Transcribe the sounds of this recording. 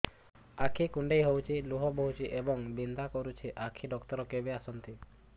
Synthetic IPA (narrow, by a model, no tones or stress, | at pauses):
akʰikuɳɖejɦowt͡ʃʰiluɦɔboɦut͡ʃʰiʔebɔŋbind̪ʱakɔɾut͡ʃʰiʔakʰiɖɔkt̪ɔɾɔkebiasɔnt̪i